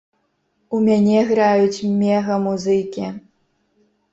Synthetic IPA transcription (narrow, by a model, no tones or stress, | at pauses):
umʲanʲɛɣɾajut͡sʲmʲɛɣɐmuzɨkʲi